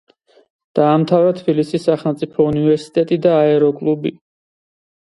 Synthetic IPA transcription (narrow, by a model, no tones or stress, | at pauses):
d̪̥aːmt̪ʰavɾat̪ʰbilisisːaχɛlˠmt̪sʼipʰɔunivɛɾsi̥t̪ʼɛt̪ʼid̪aːɛɾɔkʼlˠubḭ